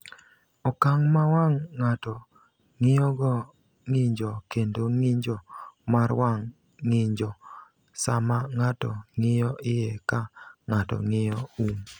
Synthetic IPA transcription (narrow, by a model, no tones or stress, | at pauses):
ɔkaŋmawaŋːatɔ | ŋɪjɔɡɔ | ŋɪɲd͡ʒɔkendoŋɪɲd͡ʒɔmaɾwaŋː | ɪɲd͡ʒɔ | samaŋatɔŋɪjɔʔɪjekaŋatɔ̰ŋɪjɔum